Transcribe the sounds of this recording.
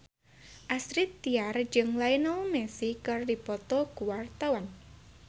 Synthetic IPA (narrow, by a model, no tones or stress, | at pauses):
ʔasɾit̪ːiard͡ʒɨŋlainɔumɛsikɨrdipɔt̪ɔkuwart̪awan